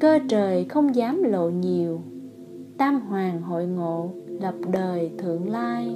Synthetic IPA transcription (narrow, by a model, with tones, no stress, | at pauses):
kəː˧t͡ɕəː˨˩jxə˧wŋ͡mzaː˨˦mlo̰˧˨ɲi˨˩əw | t̪aː˧ŋɦwaː˨˩ŋɦo̰˧˨jŋo̰˧˨lə˨˩p̚ɗəː˨˩jt̪ʰɨ̰˧˨əŋlaː˧j